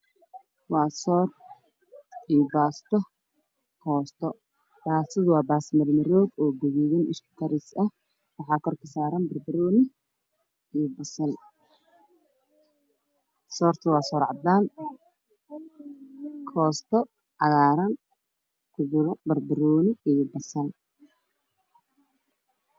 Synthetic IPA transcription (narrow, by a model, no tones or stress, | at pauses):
wɑːsɔːr | ijɔbaːst̪ʰɔ | kʰɔːst̪ʰɔ | b̥aːsɪðwɑːbaːsmɐlmɐɾɔːd̪ɔːɡʊɣɛɣɪnɪʃkʰʊ̥kʰɐɾɪsɐh | wɑħɑːkʰɔrkʰɐsaːɾɐnbɐrbɐɾɔːnɪ | ijbɐsɐl | sɔːrt̪ʰɐwɑːsɔːɾʕɑd̪aːn | kʰɔːst̪ʰɔ | ɑɣaːɾɐn | kʰʊbɾbɐrbɪɾɔːnɪijɔbɐsɐl